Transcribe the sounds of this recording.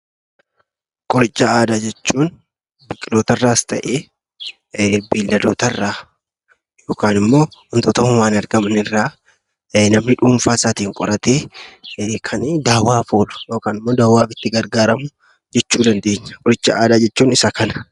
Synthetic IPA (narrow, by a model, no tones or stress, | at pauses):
kʼɔɾɪt͡ʃʼːɐaːd̪aːd͡ʒɛt͡ʃːuːn | bɪkʼːɪlo̞ːt̪ɐrːaːɪst̪ɐ̰ʔeː | biːlːɐd̪oːt̪ɐrːaː | jo̞ːkaːnɪmːo̞ːhʊnt̪ɔt̪ɐmʊwaːnɐɾɡɐmɐnɪrːaː | nɐmnɪᶑuːɱfaːsaːt̪iːŋkʼɔɾɐt̪eː | kʰɐnd̪aːwaːfoːlʊ̥jo̞ːkaːnɪmːo̞ːd̪aːwːaːfɪt̪ːɪɡɐɾɡaːɾɐmʊ | d͡ʒɛt͡ʃːuːd̪ɐnd̪e̞ːɲːɐ̥kʼɔɾɪt͡ʃːɐ̰ʔaːd̪aːd͡ʒɛt͡ʃːuːnɪsɐkɐnɐ̥